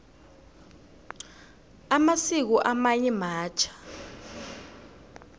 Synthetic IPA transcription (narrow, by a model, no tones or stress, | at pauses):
amasik̬uʔamajimaːt͡ʃʰḁ